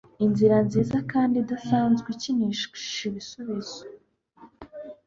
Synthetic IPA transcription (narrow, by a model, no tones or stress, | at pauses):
inziɾanziːzakaːndidasaːnzɡiciniʃʃi̥ʃiβisuβiz̥o̥